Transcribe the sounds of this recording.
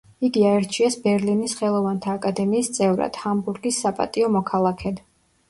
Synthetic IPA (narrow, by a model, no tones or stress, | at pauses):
iɡiaɛɾt͡ʃʰiɛsbɛɾlinisχɛlˠɔvant̪ʰaːkʼad̪ɛmiːst̪sʼɛvɾa̰d̪̥hambuɾɡisːapʼa̰t̪ʼiɔmɔkʰalˠakʰɛd̪